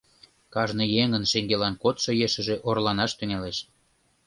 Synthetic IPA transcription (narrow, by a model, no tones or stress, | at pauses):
kɑʒnɤ̆jeŋə̆nʃeŋɡelɑnkot̪ʃŏjeʃə̆ʒĕʔorlɑnɑʃt̪yŋeleʃ